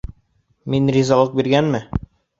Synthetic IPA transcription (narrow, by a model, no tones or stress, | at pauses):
minrʲizɑlˠɤq̚biɾɡænmɘ